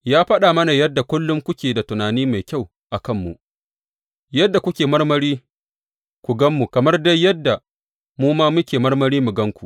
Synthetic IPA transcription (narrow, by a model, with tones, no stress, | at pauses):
jaː˦ɸɐ˦ɗaː˨mɐ˦na˨jɐ˦dːa˨kʷʊ˦lːʊ˦ŋkʷʊ˦kʲeː˨da˨tʊ˨naː˨niː˦ma˨jkʲa˦˨w | ʔa˨kɐ˦˨mːu˨ʔ | jɐ˦dːa˨kʷʊ˦kʲeː˨mɐ˦rmɐ˦ɾiː˦ | kʷu˨ɡɐ˦mːu˨kɐ˨mɐ˦rda˦jːɐ˦dːa˨ | muː˦maː˦mʊ˦kʲeː˨mɐ˦rmɐ˦ɾiː˦mu˨ɡɐ˦ŋkʷu˨ʔ